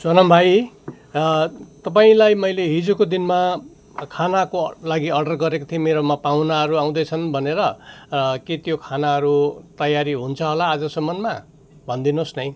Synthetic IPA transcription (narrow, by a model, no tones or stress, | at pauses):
sʌnʌmbʱaj | t̪ʌp̬aĩlajmʌjleɦid͡zukod̪inma | kʰanakolaɡiʌrɖʌrɡʌɾekot̪ʰimeɾomapaw̃naɦʌɾuaw̃d̪ʌjt͡sʰʌnbʱʌneɾʌ | ket̪jokʰanaɦʌɾut̪ʌjaɾiɦunt͡sʰʌɦolaːd͡zʌsʌmːʌnma | bʱʌnd̪inosnʌj̃